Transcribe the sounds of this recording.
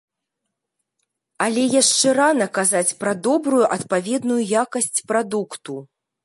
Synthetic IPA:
alʲɛjaʂt͡ʂɛɾanɐkazat͡sʲpɾɐd̪ɔbɾujuʔɐt̪pavʲɛd̪nujujakɐsʲt͡sʲpɾad̪ukt̪u

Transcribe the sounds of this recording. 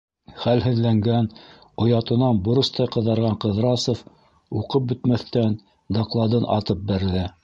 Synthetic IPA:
χælɦɘ̆ðlæŋɡæn | ŏjɑt̪ɤ̆nɑnboɾɤ̆st̪ɑjqɤ̆ðɑɾʁɑɴqɤ̆ðɾɑsŏf | uqɤp̚bɵ̆t̪mæθt̪æn | d̪ɑqlˠɑd̪ɤnʔɑ̰t̪ɤp̚bæɾɘ̆ðæ

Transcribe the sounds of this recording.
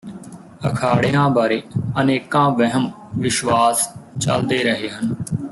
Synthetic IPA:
əkʰaːɽejãːbaːɾeːəneːkãːʋɛɦəm | ʋɪʃʋaːst͡ʃə̰ld̪eːɾəɦeːɦən

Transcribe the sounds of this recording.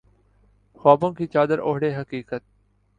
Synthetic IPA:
xaːbõːkiːt͡ʃaːd̪əɾoːɦɽeːɦəkiːkət̪̚

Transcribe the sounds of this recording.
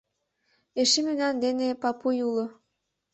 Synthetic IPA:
eʃemynɑnd̪enepɑpujulŏ

